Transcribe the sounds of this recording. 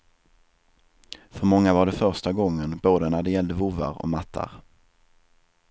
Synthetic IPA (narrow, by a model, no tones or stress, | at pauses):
fœɾmɔŋːavaɖɛfœɾʂʈaɡɔŋːənboːd̪ənæɖɛjɛld̪əvʊva̰ɾɔ̰mat̪ʰːa̰ɾ